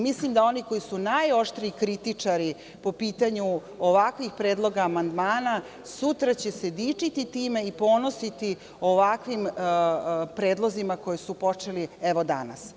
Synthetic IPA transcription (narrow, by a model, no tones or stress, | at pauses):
mislimd̪ao̞niko̞jisunajo̞ʂt̪ɾiikɾit̪it͡ʂaɾi | po̞piːt̪aɲu | oʋakʋixpɾeːd̪lˠo̞ɡaːmand̪maːna | sut̪ɾat͡ɕe̞se̞d̪iːt͡ʂit̪it̪iːme̞ipo̞ːno̞sit̪i | o̞ʋakʋim | pɾeːd̪lˠo̞zimako̞jesupot͡ʂe̞lieʋo̞d̪a̰na̰s